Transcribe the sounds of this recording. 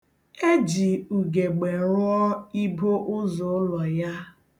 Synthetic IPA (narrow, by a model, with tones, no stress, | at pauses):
e˦d͡ʒi˨u˨ɡe˨ɡ͡be˨ɾʊ˦ɔ˦i˦bo˦ʔʊ˦zo˨˦lɔ˨ja˦